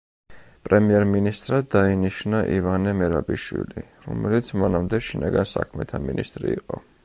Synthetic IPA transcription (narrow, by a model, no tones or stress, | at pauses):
pʼɾɛmiɛɾminist̪ʼɾad̪ainiʃnaʔivanɛmɛɾabiʃwḭliɾɔmɛlit̪sʰmanamd̪ɛʃinaɡansa̰kʰmɛt̪ʰaminist̪ʼɾiːqʼɔ